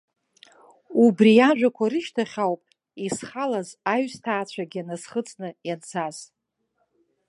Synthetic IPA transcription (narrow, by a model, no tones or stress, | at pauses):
ubriaʒᶣʷakʷʰaɾɨʃtʰaχʲawpʼ | isχalazaɥstʰaːt͡ɕʷʰaɡʲianasχət͡sʼnɨjant͡sʰaz̥